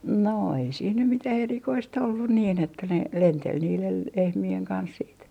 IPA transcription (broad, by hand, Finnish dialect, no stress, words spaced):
no ei siːn nym mitæh erikoist olːun niːn etːæ ne lentel niːlel lehmieŋ kɑns siːt